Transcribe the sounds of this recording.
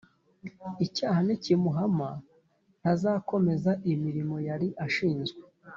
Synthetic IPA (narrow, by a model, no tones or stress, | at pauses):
icaːhanicimuɦama | n̥hazaːko̞me̞zaʔimiɾimo̞jaɾiʔaʃiːnzɡwe